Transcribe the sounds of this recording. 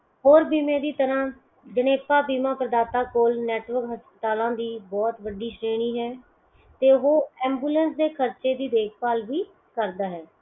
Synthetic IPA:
ɦoːɾbiːmẽːd̪iːt̪əɾãː | d͡ʒəneːpaːbiːmãːpɾəd̪aːt̪aːkoːlnɛːʈʋəɾkɦəspət̪aːlãːd̪iːbɔːt̪ʋəɖiːʃɾeːɽ̃iːɦɛː | t̪eːɦoːɛ̃ːmbuːlɛ̃ːnsd̪eːkʰəɾt͡ʃeːd̪iːd̪eːkʰpaːlʋiː | kəɾd̪aːɦɛː

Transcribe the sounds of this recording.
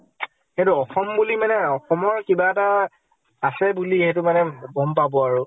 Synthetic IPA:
kɛ̃tʊɔxɔmbulimanɛɔxɔmɔɹkibaɛta | asɛbuliɦɛtʊmanɛbɔmpabɔaɹʊ

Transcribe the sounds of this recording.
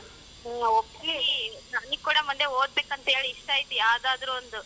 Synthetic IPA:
okːlinɐnːikːuːɽɐmund̪eoːd̪̚beːkɐnt̪ɐɦeːɭiiʂʈaːjit̪ːujaːd̪aːd̪ɐɾuond̪u

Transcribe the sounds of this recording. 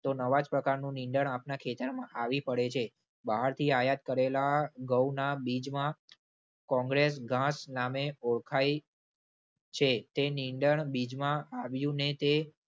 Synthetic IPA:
t̪onəʋad͡ʒpɾəkaɾnũniɳɖəɳapnakʰet̪əɾmãʔaʋipəɽet͡ʃʰe | baɦaɾt̪ʰiajat̪̚kəɾelaɡəwnabid͡ʒmã | kɔ̃ŋɡɾesɡʱãsnameoɭkʰaj | t͡ʃʰet̪eniɳɖəɳbid͡ʒmãaʋjũnet̪e

